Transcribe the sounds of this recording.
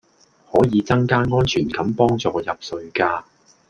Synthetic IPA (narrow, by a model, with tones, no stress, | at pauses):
hɔː˨˥jiː˨˧t͡sɐ˥ŋkaː˥ŋɔː˥nt͡ʃʰyː˨˩nkɐ˨˥mpɔː˥ŋt͡sɔː˧jɐ˨p̚sɵ˧ɥkaː˧